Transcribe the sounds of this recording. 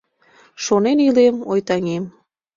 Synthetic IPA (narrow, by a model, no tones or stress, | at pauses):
ʃonenilemojt̪ɑŋem